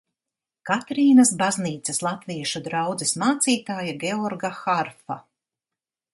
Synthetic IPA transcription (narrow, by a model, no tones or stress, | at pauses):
kat̪ɾiːnɐsbazniːt̪sɐslˠat̪viɛʃud̪ɾawd̪zismaːt̪siːt̪aːjaɡʲeɔɾɡaxaɾfa